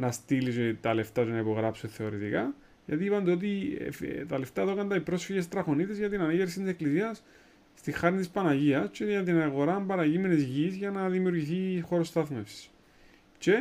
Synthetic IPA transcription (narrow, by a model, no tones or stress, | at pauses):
nɐst̪iliset̪ɐle̞ft̪ɐt̪unɐipo̞ɣɾɐpsuθe̞o̞ɾit̪ikɐ | jʝɐ̰t̪iiːpɐnd̪eo̞t̪̬ḭft̪ɐle̞ft̪ɐeðokɐnd̪ɐipɾo̞sfeʝest̪ɾɐxo̞nit̪ezʝɐt̪inɐneʝeɾs̬it̪ise̞klisiɐsː | t̪ixɐɾnit̪ispɐnɐʝiɐst͡ʃeʝɐt̪inɐɣo̞ɾɐmbɐɾɐʝimenezʝizʝɐnɐðimiuɾʝiθixo̞ɾost̪ɐθmefsi̥s | t͡ʃe